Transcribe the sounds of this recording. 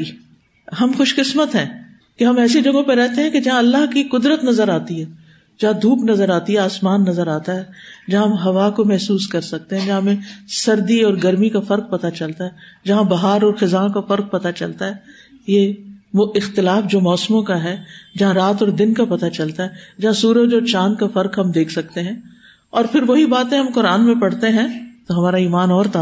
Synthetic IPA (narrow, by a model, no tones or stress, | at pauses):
ɦɐmxʊʃkɪsmət̪ɦɛ̃ː | keɦɐmɛːsed͡ʒɐɡõpeɾɛɦt̪eɦɛ̃ked͡ʒɐɦãɐlːaɦkiqʊd̪ɾət̪nɐzəɾaːt̪iɦɛː | d͡ʒɐɦãd̪ʱuːknɐzəɾaːt̪iɦɛaːsmaːnːɐzəɾaːt̪aɦɛːd͡ʒɐɦãɦmɦɐʋakomɛɦsuːskɐɾsɐk̚t̪eɦɛ̃d͡ʒɐɦãmẽsɐɾd̪iɔːɾɡɐɾmikafɐɾq̚pɐt̪at͡ʃɐlt̪aɦɛːd͡ʒɐɦãbɐɦaːɾɔːɾxɪzaːkafɐɾk̚pɐt̪at͡ʃɐlt̪aɦɛː | jeːoɪxt̪ɪlaːfd͡ʒoːmɔːsmõkaɦɛːd͡ʒɐɦãɾaːt̪ɔːɾd̪ɪnkapɐt̪at͡ʃɐlt̪aɦɛd͡ʒɐɦãsuːɾəd͡ʒoːt͡ʃaːnkafɐɾkɦɐmd̪eːkʰsɐk̚t̪eɦɛ̃ː | ɔːɾpʰɪɾʋoɦibaːt̪ẽɦɐ̃mkʊɾaːnmẽpɐɽt̪eɦɛ̃t̪oɦɐmaːɾaiːmaːnɔːɾt̪a